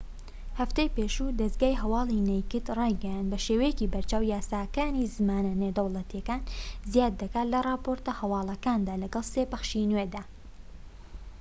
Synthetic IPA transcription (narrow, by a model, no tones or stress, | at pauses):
hɐft̪ejpeːʃud̪ɐzɡaːjɦɐwɑːlinejkɨt̪rɑjɡɛjand̪̚bɐʃeːwejeciːbɐɾt͡ʃaːwjaːsaːkaːnizɨmaːnɐned̪ɐwlˠɐt̪jɐkaːnzjaːd̪ːɐkaːt̪lɐrˤɑːpoɾt̪ɐhɐwɑːlˠɐkaːnd̪aːlɐɡɐlˠsepɐxʃinwed̪aː